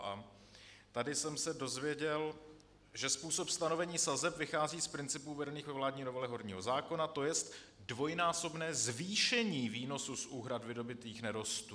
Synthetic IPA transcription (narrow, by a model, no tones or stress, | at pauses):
ʔa | t̪adɪsɛmsɛdo̞zvjɛɟɛl | ʒɛspuːso̞pst̪ano̞vɛɲiːsazɛpvɪxaːziːspɾɪnt͡sɪpuːvɛdɛniːxvɛvlaːdɲinovɛlɛɦo̞ɾɲḭːɦo̞zaːko̞nat̪o̞jɛst̪ | dvo̞jnaːso̞bnɛːzviːʃɛɲiːviːno̞susʔuːɦɾat̪vɪdo̞bɪt̪iːxnɛɾo̞st̪u